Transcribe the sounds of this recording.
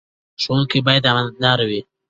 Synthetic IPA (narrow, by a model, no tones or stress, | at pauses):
ʃouŋkibɑjad̪amallɑɾawi